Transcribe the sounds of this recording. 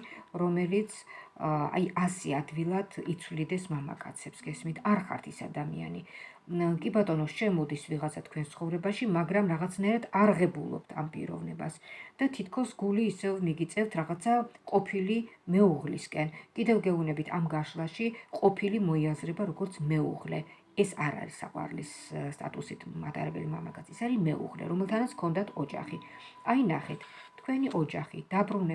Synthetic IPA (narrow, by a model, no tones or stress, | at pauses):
ɾɔmɛlit̪sʰ | a̰jasiad̪vilˠad̪̥it̪sʰwvlid̪ɛsmama̰kʼa̰t̪sʰɛpsɡ̥ɛsmit̪ʰaɾχa̰ɾt̪ʰisa̰d̪amḭa̰ni | kʼibat̪ʼɔnɔʃɛmɔd̪isviʁat̪sʰat̪ʰkʰwɛnt̪sʰχɔvɾɛbaʃimaɡɾamɾaʁat̪sʰnaɛɾad̪aɾʁɛbulˠɔ̰p̚t̪ʰa̰mpʼḭɾɔ̰vnɛba̰sd̪̥at̪ʰit̪ʰkʰɔsɡuliːsɛvmiɡit̪sʼɛft̪ʰɾaʁat̪sʰaqʼɔpʰilimɛuʁliskʼɛnkʼid̪ɛvɡɛunɛbit̪ʰa̰mɡaʃlˠaʃiqʼɔpʰilimɔiazɾɛbaɾɔɡɔɾt̪sʰmɛṵʁlɛ | ɛsaɾa̰ɾisa̰qʼwa̰ɾlis | st̪ʼa̰t̪ʼusit̪ʰmat̪ʼaɾɛbɛlimamakʼat̪sʰɛsaɾimɛṵʁlɛ̰ɾɔmɛlˠt̪ʰanat̪sʰkʰɔnd̪at̪ʰɔd͡ʒa̰χi | ainaχɛt̪ʰ | t̪ʰkʰwɛniʔɔd͡ʒaχid̪̥abɾunɛ